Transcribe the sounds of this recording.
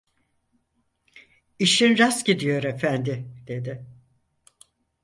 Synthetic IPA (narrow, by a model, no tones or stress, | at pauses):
iʃinɾasɟid̪ijo̞ɾefænd̪ɪd̪̥e̞d̪ɪ